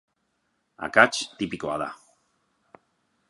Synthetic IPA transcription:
a̰kat͡ʃt̪ipikoa̰ða̰

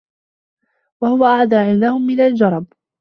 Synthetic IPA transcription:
wahʊwaʔaʕd̪aːʕɪnd̪ahʊmːɪnald͡ʒɑɾˤɑb̚

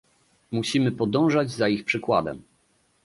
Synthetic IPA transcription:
muɕimɘpɔd̪ɔ̃w̃ʐad͡ʑzaixpʂɘkwa̰d̪ɛ̰m

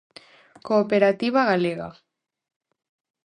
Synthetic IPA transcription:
koːpeɾat̪iβ̞aɣaleɣa̰

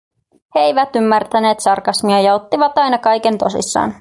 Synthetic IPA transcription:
heejʋæt̪ymːært̪æne̞ːt̪sɑrkɑsmiɑjɑo̞t̪ːiʋɑt̪ɑjnɑkɑjke̞nt̪o̞sḭsːɑ̰ːn

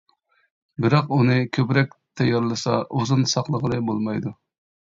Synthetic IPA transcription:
bɪɾɑqunɨkʲʰøpɾɛk̚ʲt̪ʰɛjːɑɾlˠɨsɑʔuzunsɑqlˠəʁəlˠɨbolˠmɑjd̪u

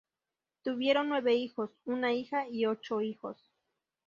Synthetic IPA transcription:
t̪uβje̞ɾonːwe̞βeixosunaixaiot͡ʃoixo̰s

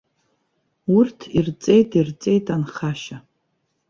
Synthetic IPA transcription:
urtʰirt͡sʼe̞jtʼirt͡sʼe̞jtʰʼanχaʃa

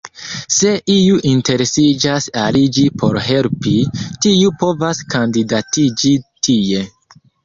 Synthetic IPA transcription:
se̞ʔiuʔinte̞ɾesid͡ʒasalid͡ʒipʰo̞ɾɦe̞lpitiupo̞vaskandidatid͡ʒitʰie̞

